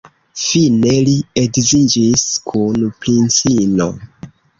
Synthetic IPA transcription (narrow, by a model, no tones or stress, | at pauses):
fine̞lieɡzid͡ʒiskʰunpɾint͡sino̞̰